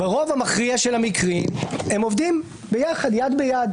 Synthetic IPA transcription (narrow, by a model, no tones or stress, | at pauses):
beʁo̞vamaχʁiaʃelhamikʁimemovd̪im | bejaχad̪jad̪bejad̪